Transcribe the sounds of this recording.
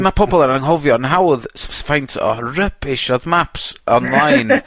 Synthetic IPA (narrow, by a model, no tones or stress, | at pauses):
mapʰɔbɔlˠəɾaəŋɦɔvjɔnɦawðssfajntʰɔ̰rəpʰɪʃɔðmapsɔnlˠajn